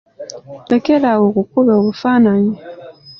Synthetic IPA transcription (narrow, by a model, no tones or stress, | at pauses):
lekelawokukuloːβufanaɲi